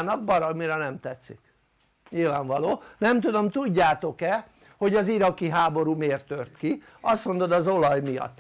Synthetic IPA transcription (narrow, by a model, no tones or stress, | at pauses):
nɒɡ̚bɒɾɒmiɾɛnɛmt̪ɛt̪sḭk | ɲilvaːɱvɒloːnɛmt̪ud̪o̞mt̪uɟːaːt̪o̞kɛ | ho̞ɟɒziɾɒkiɦaːbo̞ɾuːmeːrt̪ørt̪ki | ɒst̪mo̞nd̪o̞d̪ɒzo̞lɒjmijɒ̰t̪ː